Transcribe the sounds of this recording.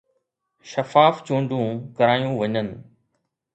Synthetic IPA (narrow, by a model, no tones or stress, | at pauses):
ʃɐfaːft͡ɕũːɳɖũkɐɾaːjũʋɐɲənɪ̆